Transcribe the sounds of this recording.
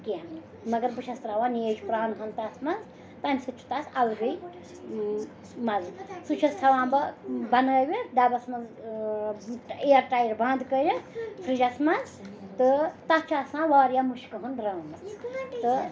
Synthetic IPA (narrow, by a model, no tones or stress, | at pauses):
kiami | mɐɡɐɾbɨʃʰɐst̪ɾɐwaːneːd͡ʒpɾaːnɦɐnt̪ɐsmɐnz | t̪ɐnʲsɨt͡ʃʰu̥t̪ɐsɐlɡɨj | mɐzsut͡ʃʰɐst̪ʰɐwãːbɐbɐnɐːwʲid̪abɐsmɐnz | eɐɾʈajɾbãːnd̪kəɾʲɐpʰɾɨd͡ʒɐsmɐnz | t̪ɨt̪ɐt͡ʃʰasãːʋaːɾjamuʃkɨɦunɾaːmɐt̪ɨ